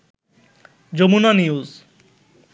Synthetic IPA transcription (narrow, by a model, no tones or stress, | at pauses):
d͡ʑomunaniuz